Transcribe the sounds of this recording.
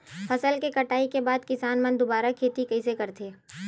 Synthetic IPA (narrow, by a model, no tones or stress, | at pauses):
fʰɐsəlkekɐʈaːikebaːd̪kɪsaːnmɐ̃nd̪obaːɾakʰeːt̪ikɐisekɐɾt̪ʰeː